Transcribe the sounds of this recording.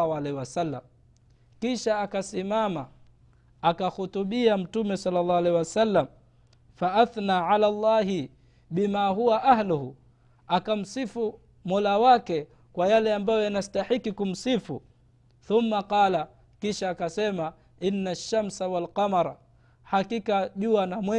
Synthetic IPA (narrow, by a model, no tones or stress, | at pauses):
halɛhiwasalːam | kiʃaːkasimama | akahutuɓiam̩tumɛsɑlːalːɑːwalɛiwasalːam | faʔaθnaːʕalalˤːɑːɦi | ɓimaːɦuwaʔahluhu | akam̩sifu | mɔlawakɛ | kwajalɛambajɔjanastaħikːikum̩sifṵ | θumːaqɑːla | kiʃaːkasɛma | inːaʃːamsawalqamaɾˤ | hakikaʄuanamwɛ